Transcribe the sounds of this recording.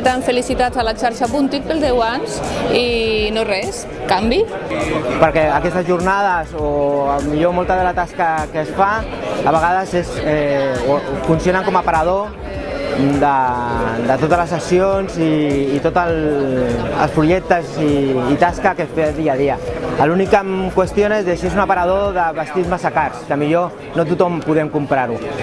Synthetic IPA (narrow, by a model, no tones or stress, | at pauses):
t̪aɱfəlisit̪azalat͡ʃaɾʃapunt̪it̪̚peld̪ɛwanzinorɛs | kambi | pəɾkɛəkɛst̪əzʒurnað̞əzoamiʎomɔlˠt̪aðəlat̪askəkəsfa | əβ̞əɣaðəsesɛofunsionəŋkɔmapaɾað̞o | d̪əd̪ət̪ot̪əzləsəsionziːt̪ot̪əl | ə̰lˠspɾuʒɛk̚t̪əziːt̪askakəsfeðiað̞iəəlunikːəmkwəst̪jonezðesiezunapaɾað̞oðəβast̪izmasakaɾskəmiʎo | not̪ut̪ɔmpuðɛmkumpɾaɾu